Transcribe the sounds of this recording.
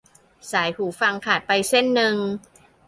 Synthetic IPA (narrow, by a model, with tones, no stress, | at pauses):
saː˩˦jhuː˩˦fa˧ŋkʰaː˨˩t̪̚pa˧jse˥˩nːɯ˧ŋ